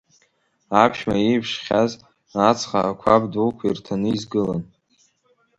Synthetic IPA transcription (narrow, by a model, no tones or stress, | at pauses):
apʰʃmaejpʰʂχʲaz | at͡sʰχaːkʷʰabdulkʷʰairtʰanɨizɡɨlan